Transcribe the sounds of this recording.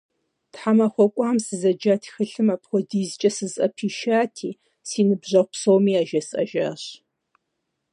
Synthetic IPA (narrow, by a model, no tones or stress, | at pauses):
tħamɐχʷɔkʷʼɑːmsɨzɐd͡ʒaːtʰi̥xɨɬɨmapχʷɔdiːzt͡ʃʼɐsɨzɐ̰pʰiːʃaːtʰiː | siːnɨbʑɐʁʷsowmiːaːʒɐsʼɐ̰ʒa̰ːɕ